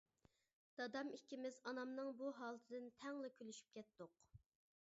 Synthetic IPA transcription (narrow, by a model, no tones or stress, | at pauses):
d̪̥ɑd̪ɑmikʲimɪzɑnɑmnɨŋbuɦɑːlˠt̪ʰɨd̪ɪnt̪ʰɛŋlˠɨkʲʰølyʃy̥p̚kʲɛt̪d̪ʊq